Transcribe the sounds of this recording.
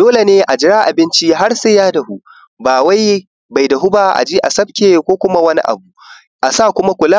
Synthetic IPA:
d̥oː˦le˨neː˦ʔa˨d͡ʒɪ˦ɾaː˦ʔa˨bɪ˦nt͡ʃi˦ɦa˦rse˦jaː˦da˨hu˦ | baː˨wa˦j | ba˨jda˨ɦʊ˦baː˦ʔa̰˨d͡ʒiː˦ʔa̰˨sɐ˦b̚kʲeː˨kʷoː˦kʷʊ˦ma˦wɐ˦nḭ˦ʔa̰˨bu˨ | ʔa˨saː˦˨kʷʊ˦ma˦kʷʊ˨la˦

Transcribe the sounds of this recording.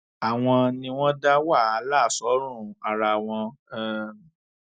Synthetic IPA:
a˨w̃ɔ̃˧nĩ˧w̃ɔ̃˦da˦wa˦˨a˨˧˦la˦˨sɔ˨˦ɾ̃ũ˦˨a˨ɾa˧˨w̃ɔ̃˧ɛ˧˦

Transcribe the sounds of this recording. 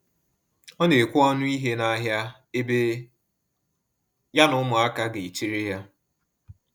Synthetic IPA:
ɔ˦ne˨kʷʊ˦ɔ˦nʊ˦i˦ɦe˦na˦ɦja˦ | e˦be˦ | ja˦nʊ˦mʊ˨a˦ka˦ɡe˨i˨t͡ʃi˦ɾe˦ja˦

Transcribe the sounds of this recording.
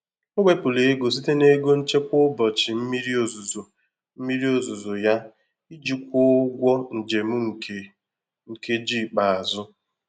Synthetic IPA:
ʊ˦ɡ͡bʷe˦pʊ˨le˨e˦ɡo˨s̬i˦te˦ne˦ɡo˦n̩˦t͡ʃe˦kʷʊ˦bɔ˨t͡ʃi˨m̩˦mi˦ɾi˦o˨zu˨zo˨ | m̩˦mi˦ɾi˦o˨zu˨zo˨ja˦ | i˦d͡ʒi˦kʷo˦ɡʷɔ˦n̩˨d͡ʒe˨mu˦ŋ̩˨ke˨ | ŋ̩˨ke˦d͡ʒi˦˨k͡pa˨a˨zʊ˦

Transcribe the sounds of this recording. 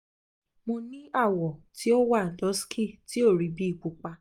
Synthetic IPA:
mõ˧nĩ˦a˦˨wɔ˨ti˨˦o˦wa˦˨n̩˨dɔ˨˦skʰi˦˨ti˨˦o˦˨ɾi˨bi˦i˦˨k͡pu˨˧k͡pa˧

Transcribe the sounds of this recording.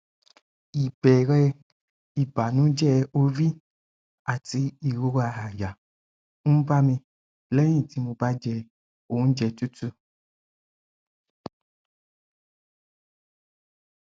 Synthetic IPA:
i˨bɛ˨ɾɛ˦ | i˨ba˨nũ˦d͡ʒɛ˦o˦vi˦ | a˨ti˧i˨ɾo˦ɾa˨ɦa˨ja˨ | ŋũ˦ba˦mĩ˧ | lɛ˦ɲĩ˨ti˧mũ˧ba˦d͡ʒɛ˧ | o˨˦n̩˦d͡ʒɛ˧˨tu˦tu˦

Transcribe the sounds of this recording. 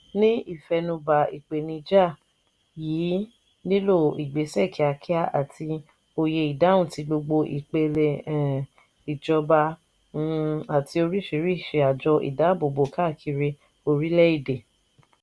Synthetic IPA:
nĩ˦i˦˨fɛ˧nũ˧ba˨i˨k͡pe˨nĩ˧d͡ʒa˦˨ | jiː˨˦ | nĩ˦lo˦˨i˨ɡ͡be˨˦sɛ˦˨kʰi˨˦a˧kʰi˦a˦ʔa̰˨ti˧ | o˧je˧i˨da˨˦wũ˦˨ti˧ɡ͡bo˧ɡ͡bo˧ʔi˨k͡pe˧le˨ | i˨d͡ʒɔ˧bã˧˦˧ | a˨ti˧o˧ɾi˦ʃi˨˦ɾi˦˨ʃe˨a˨d͡ʒɔ˧ʔḭ˨da˨˦bo˨bo˨ka˦˨kʰi˧ɾi˧ | o˧ɾi˦lɛ˦i˦˨de˨

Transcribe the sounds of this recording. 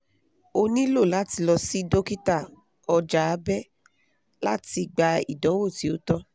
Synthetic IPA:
o˧nĩ˦lo˦˨la˨˦ti˧lɔ˧si˦do˦ki˦ta˦˨ | ɔ˧d͡ʒa˨˦bɛ˦ | la˦ti˧ɡ͡ba˧ḭ˨dɔ̃˨˦wo˦˨ti˨˦o˨˦tɔ˦

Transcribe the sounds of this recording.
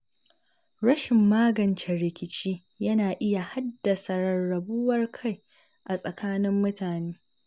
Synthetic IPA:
ɾɐ˦ʃɪ˨mːaː˦ɡɐ˨nt͡ʃɛ˨ɾɪ˨kʲɪ˨t͡ʃiː˦ | jɐ˦naː˨ʔɪ˦ja˨ha˦dːɐ˨sa˨ɾɐː˨ɐ˨bu˦wɐ˦rkʰa˦˨j | ʔa˨sʼɐ˨kʰaː˦nɪ˦mːʊ˦taː˨neː˦

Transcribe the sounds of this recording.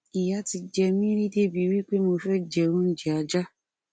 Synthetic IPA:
i˨ja˦ti˧d͡ʒɛ˧mĩ˦ɾi˦de˦bi˨˦wi˦k͡pe˦mo˧fɛ˦d͡ʒɛ˨õ˦n̩˦d͡ʒɛ˨a˨d͡ʒa˦

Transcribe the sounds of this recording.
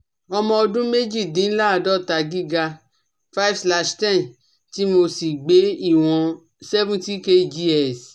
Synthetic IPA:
ɔ˧mɔ̃˧ɔ˧dũ˦me˦d͡ʒi˦˨dĩ˨˦n̩˦la˦a˧˨dɔ˦˨ta˨˧ɡi˦ɡa˧ | fa˦i˦fsla˧ʃtɛ̃˦˨n | ti˨˦mo˧si˨ɡ͡be˨˦i˦˨w̃ɔ̃˧ | sɛ˦vũ˦ti˦ke˦˨d͡ʒi˦ɛ˦˨s

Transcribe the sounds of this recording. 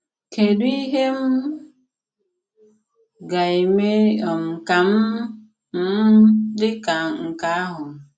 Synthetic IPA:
ke˨du˦i˦ɦe˦m̩˦ | ɡa˨i˨me˦ɔ˨m̩˨ka˨m̩˦ | m̩˦dɪ˦ka˨ŋ̩˨ka˨a˦ɦʊ˨

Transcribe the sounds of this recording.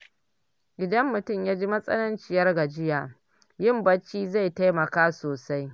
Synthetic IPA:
ɡʲɪ˨dɐ˦mːʊ˨tʊ˦˨mjaː˦d͡ʒi˦mɐ˦sʼɐ̰˦nɐ˦nt͡ʃɪ˨jɐ˦rɡa˨d͡ʒɪ˦jaː˨ | jɪ˦˨mbɐ˦t͡ʃːiː˦za˦˨jta˦jmɐ˨kaː˦soː˨sa˦j

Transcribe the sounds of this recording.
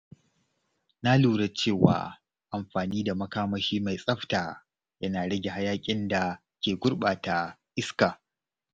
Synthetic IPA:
na˦luː˨ɽa˨t͡ʃeː˦˨wa̰ː˦ | ʔa˨mɸaː˨niː˦da˨mɐ˦kaː˦mɐ˦ʃiː˦ma˨jsʼɐ˦ɸta˨ | jɐ˦naː˨ɽɐ˦ɡʲe˨ha˦jaː˦kʲʼɪ˦nda˨ | kʲeː˨ɡʷʊ˦ɽɓaː˨ta˨ʔɪ˦skaː˨

